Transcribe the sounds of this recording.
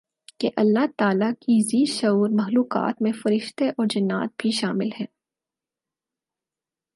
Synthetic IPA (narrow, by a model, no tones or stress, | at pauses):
keʔɐlːaɦt̪aːlakiziːʃɐuːɾmɐxluːqa̰ːt̪mẽfɐɾɪʃt̪eʔɔːɾd͡ʒɐnːa̰ːt̪̚bʱiʃaːmɪlhɛ̃ː